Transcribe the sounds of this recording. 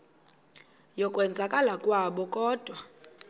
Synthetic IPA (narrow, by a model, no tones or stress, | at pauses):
jɔkʼwɛnd͡zʱakʼalakʼwaɓɔkʼɔːd̥ʱwa